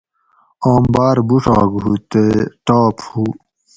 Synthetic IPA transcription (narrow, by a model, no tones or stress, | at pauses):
oːmbaːɾbuʂɑ̰ːɡɦut̪eʈaːphuː